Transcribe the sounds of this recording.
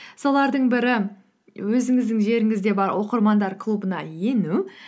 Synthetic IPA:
so̞lˠɑɾd̪əɴbɪɾɪ | wɵzɪŋɪzd̪ɪŋʒe̞ɾɪŋɪzd̪e̞bɑɾwo̞qəɾmɑnd̪ɑɾkʰlˠubənɑje̞nu

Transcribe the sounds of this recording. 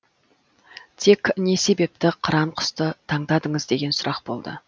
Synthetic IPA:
t̪ʰe̞kʲne̞se̞be̞p̚t̪ɪqʰəɾɑmqʰʊ̥st̪ət̪ʰɑɴd̪ɑd̪əɴəzd̪e̞ɡʲe̞nsʊɾʔɑq̚bo̞lˠd̪ə̰

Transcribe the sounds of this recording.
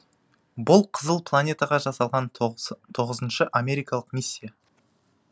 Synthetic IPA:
bʊlˠqʰəzəlˠpʰlˠanʲe̞t̪aʁɑʒɑsɑlˠʁɑnt̪ʰo̞ʁəzənʃəʔamʲe̞ɾijkɑlˠəqmisʲːija

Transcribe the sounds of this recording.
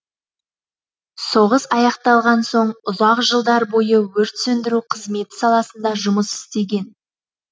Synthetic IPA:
so̞ʁəsɑjɑqt̪ɑlˠʁɑnso̞ɴʊzɑqʒəlˠd̪ɑɾbo̞jəwɵɾt̪sɵnd̪ɪɾuqʰəzme̞t̪ɪ̥sɑlˠɑsənd̪ɑʒʊməsɪ̥st̪e̞ɡʲe̞n

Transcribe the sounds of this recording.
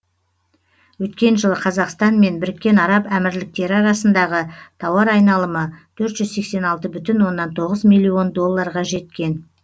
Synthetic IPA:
wɵt̪kʲe̞nʒəlˠəqʰɑzɑqst̪ɑnme̞nbɪɾɪkʲːe̞nɑɾɑpæmɪɾlɪk̚t̪e̞ɾɪɑɾɑsənd̪ɑʁət̪ʰɑwɑɾɑjnɑlˠəmət̪ʰɵɾt̪ʒ̥ʏzse̞kse̞nɑlˠt̪əbʏt̪ɪnwo̞nːɑnt̪ʰo̞ʁəzmijlʲːio̞nd̪o̞lˠːɑɾʁɑʒe̞t̪kʲe̞n

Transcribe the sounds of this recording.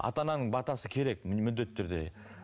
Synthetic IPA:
ɑ̰t̪ɑnɑnəɴbɑt̪ɑsəkʲʰe̞ɾe̞k̚mʏd̪ːe̞t̪ʰːʏɾd̪e̞̰

